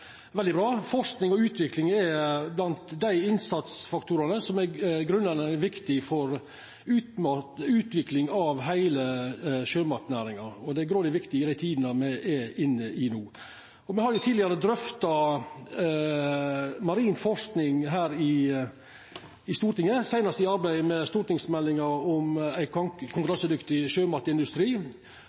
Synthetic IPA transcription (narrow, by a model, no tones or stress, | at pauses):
ʋɛld̪ɪbɾɑːfɔʂknɪŋɔʉːt̪ʋɪklɪŋɛblɑnt̪d̪æɪɪnsɑt̪sfɑkt̪ʰuːɾɑnəsɔmæɡɾʉnːənəʋɪkt̪ɪfɔɾ | ʉːt̪mɑt̪ʉːt̪ʋɪklɪŋɑʋɦæɪləʃøːmɑt̪næːɾɪŋɑɔd̪ɛæɡɾoːd̪ɪʋɪkt̪ɪɪd̪æɪt̪ʰiːd̪nəmɛʔɛʔɪnːəʔɪnuː | ɔmɛhɑɾjʊt̪ʰiːdlɪɑɾəd̪ɾœft̪ɑ | mɑɾiːnfɔʂknɪŋɦæːɾɪ | ɪst̪uːɾʈ̪ɪŋːəsæɪnɑst̪əɪɑɾbæɪmɛst̪uːɾʈ̪ɪŋsmɛlːɪŋɑɾɔmæɪkʰʊŋkɾɑnsəd̪ʏkt̪ɪʃøːmɑt̪əɪnd̪ʉst̪ɾiː